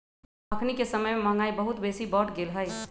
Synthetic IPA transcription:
əkʰnikesəməjmemãŋɡaːibəɦʊt̪beːsibɔːʈɡeːlɦəj

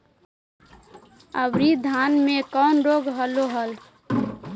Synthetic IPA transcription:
ə̰bɾid̪ʱanmekɔnɾoɡɦəloɦəl

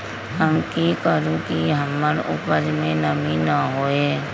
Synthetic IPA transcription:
ɦəmkikəɾũkiɦəmːəɾʊ̰pəɾmẽnəminaɦoːeː

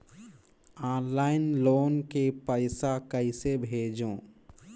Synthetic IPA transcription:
aːnlaːɪnloːnkepəɪsakəɪsebʱeːd͡ʒõː

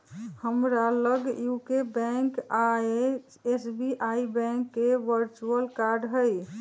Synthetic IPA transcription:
həmɾaləɡjukebɛ̃ŋka | esbiʔaibɛ̃ŋkːeʋəɾt͡ʃuəlkaɾɖɦəj

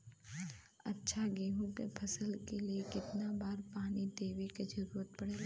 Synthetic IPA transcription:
ɐ̰tːʃʰaɡeːɦũkepʰɐsəlkeliekɪt̪nabaːɾpaːnid̪eːʋeked͡ʒɐɾuːɾət̪̚pɐɽeːlː

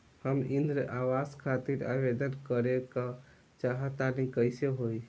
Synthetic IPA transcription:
həmind̪ɾəʔaʋaskʰat̪iɾa̰bed̪ənkəɾekə | t͡ʃaɦət̪anikəjseɦoj

